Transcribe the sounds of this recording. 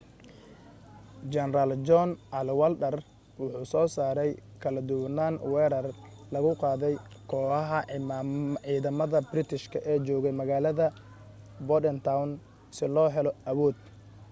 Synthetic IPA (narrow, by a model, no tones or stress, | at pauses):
d͡ʒɛnɾald͡ʒɔnʔɐlwɐlɗɐr | wʊħuːsɔːsaːɾɛjkʰɐlɐd̪ʊwnaːnwɛːɾɐr | lɐɣʊqɑːðɛjkʰɔːɐɦɐmʕiːðɐmɐðɐbrɪt̪ʰɪʃkʰɐʔɛːt͡ʃɔːɣɛmɐɣaːlɐðɐ | bɔdɛnt̪ʰawn | sɪlɔːɦɛlɔɐβɔːd̪